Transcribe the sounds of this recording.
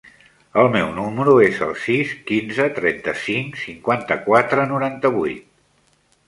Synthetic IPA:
əlˠmɛwnuməɾuezə̰lˠsiskinzət̪ɾɛnt̪əsiŋsiŋkwant̪əkwat̪ɾənuɾant̪əβujt̪̚

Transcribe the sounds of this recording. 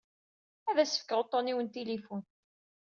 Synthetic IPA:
æðæsə̥fkəʁot̪ˤːoniwənt̪ilifun

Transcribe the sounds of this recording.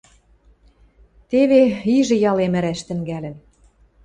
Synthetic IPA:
t̪eβeiʒɘ̆jɑlemɘ̆ɾæʃt̪ɘ̆ŋɡælɘ̆n

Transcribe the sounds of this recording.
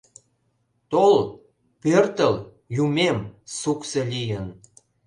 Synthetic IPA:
t̪ol | pørt̪əl | jumemsukselʲijən

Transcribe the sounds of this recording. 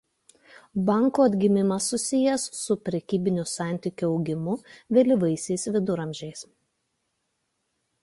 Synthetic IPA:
bɑˑŋkuːɐd̪ʲɡʲɪmʲɪmɐsːʊsʲɪjɛsːʊpʲɾʲɛkʲiːbʲɪnʲʊsɑˑnʲt̪ʲɪkʲuɒʊɡʲɪmʊʋʲɛlʲɪʋɐɪsʲɛɪsʋʲɪd̪ʊɾɐmʲʒʲɛɪs

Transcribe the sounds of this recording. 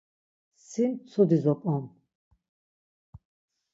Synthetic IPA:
sint͡s̪ʰud̪izɔpʼɔn

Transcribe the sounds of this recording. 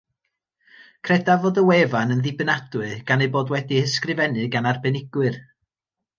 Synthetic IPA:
kʰrɛdavoːdəwɛvanənðɪbnadwɨɡ̥anejboːdwɛdihəskrɨvɛnɨɡanarbɛnɪɡ̥wɨr

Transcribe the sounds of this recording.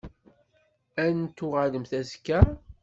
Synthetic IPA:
ænt̪ːuʁaləmθæzkːæ

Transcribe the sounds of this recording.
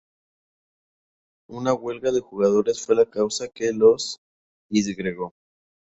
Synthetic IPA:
unaɣwe̞lɣaðe̞xuɣaðo̞ɾe̞sfwe̞lakawsake̞los | iz̬ɣɾeɣo̞

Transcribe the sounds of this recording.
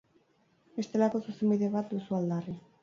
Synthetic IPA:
est̪elakosusumiðeβat̪̚d̪usuald̪ari

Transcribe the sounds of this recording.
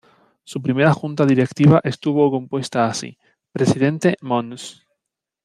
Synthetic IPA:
sup̬ɾimeɾaxũnt̪aðiɾekt̪iβ̞aʔest̪uβokompwest̪aːsḭ | pɾesiðẽnt̪emõns

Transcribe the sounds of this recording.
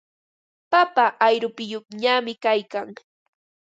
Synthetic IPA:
papaʔːjɾʊpɪjopɲamɪkajkaŋ

